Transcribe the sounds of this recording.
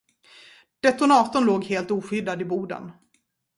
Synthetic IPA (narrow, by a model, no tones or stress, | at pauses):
d̪̥ɛt̪ʊnɑːt̪ʊnloːɡheːlt̪uːɧʏd̪ad̪ɪbuːd̪ə̰n